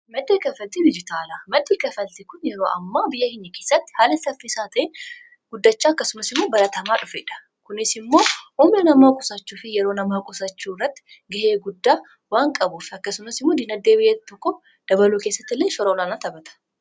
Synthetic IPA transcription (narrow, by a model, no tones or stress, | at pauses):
mɐd̪ːekɐfɐlt̪id̪ɪd͡ʒɪt̪aːlɐmɐd̪ːeːkɐfɐlt̪ɪkʊnjɛɾoːʔɐ̰mːaːbɪjːɐhɪɲːɐke̞ːsːɐt̪ːɪ̥haːlɛsɐfːisaːt̪ʰɐʔeː | ɡ̥ʊd̪ːɐt͡ʃːaːɐkːɐsʊmɐsɪmːo̞ːbɐɾɐt̪ɐmaːᶑʊfeːᶑɐ̥ | kʊnɪsɪmːo̞ːhuːmnɐnɐmaːkʼʊ̥sɐt͡ʃːuːfɪjɛɾo̞ːnɐmaːkʼʊsɐt͡ʃːuːrːɐt̪ːɪ̥ | ɡɐʔeːɡʊd̪ːaː | waːŋkʼɐbʊfɐkːɐsʊmɐsɪmːo̞ːd̪ɪnɐd̪ːeːbɪjːɛt̪t̪ːɔkːɔ | d̪̥ɐbɐluːkeːsːɐt̪ːɪlːeːʃɔɾɐɔlaːnaːt̪ɐbɐt̪ɐ̥